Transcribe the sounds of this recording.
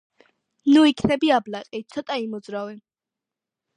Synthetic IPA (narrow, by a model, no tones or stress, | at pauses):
nuikʰnɛbiablaqʼit̪sʰɔt̪ʼaimɔd̪zɾavɛ